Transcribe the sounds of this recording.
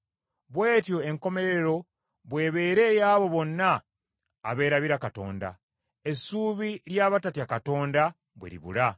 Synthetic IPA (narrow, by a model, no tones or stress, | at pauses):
βwe̞ːtjo̞e̞ŋko̞me̞ɾe̞ɾo̞ | βwe̞ːβe̞ːɾe̞ːjaːβo̞βo̞nːaː | βe̞ːɾaβiɾakato̞̰ːnda̰ | e̞suːβiljaːβatatiakato̞ːnda | βwḛɾḭβṵla